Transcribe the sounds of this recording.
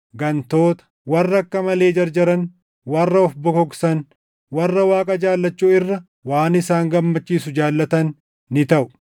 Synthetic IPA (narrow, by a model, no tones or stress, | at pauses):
ɡɐnt̪o̞ːt̪ɐ̥wɐrːɐkːɐmɐle̞ːd͡ʒɐɾd͡ʒɐɾɐn | wɐrːɐɔfbɔkɔksɐn | wɐrːɐwaːkʼɐd͡ʒaːlːɐt͡ʃːuːɪrːɐ | waːnɪsaːŋɡɐmːɐt͡ʃːiːsʊd͡ʒaːlːɐt̪ɐnː | ɪt̪ɐʔʊ̥